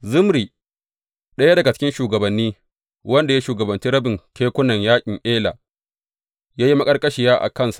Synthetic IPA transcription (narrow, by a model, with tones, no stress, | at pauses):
zʊ˦mɾiː˨ | ɗɐ˦ja˦dɐ˨ɡa˨t͡ʃɪ̥˦kʲɪ˦nʃuː˨ɡɐ˨bɐ˨nːiː˦ | wɐ˦nda˨ja˦ʃuː˨ɡɐ˨bɐ˨nt͡ʃi˦ɾɐ˦bɪ˨ŋkʲeː˦kʷʊ˦nɐ˨ɲjaː˦kʲʼɪ˨ŋʔeː˦la̰ː˨ | jaː˦ji˦mɐ˦kʼɐ˦rkʼɐ˦ʃɪ˨jaː˦ʔa̰˨kɐ˦˨nsḁ˨ʔ